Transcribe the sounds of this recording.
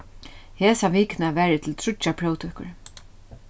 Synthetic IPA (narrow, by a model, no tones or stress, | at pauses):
heːsaʋiːkɪnaʋɛːɾɪt̪ʰɪlt̪ʰɾʊt͡ʃːapʰɾoːwt̪ʰʏhkʊ̰ɹ